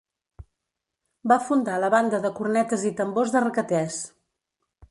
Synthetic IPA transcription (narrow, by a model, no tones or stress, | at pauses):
bafund̪aləβand̪əðəkurnɛt̪əzit̪əmbozðərəkət̪ɛs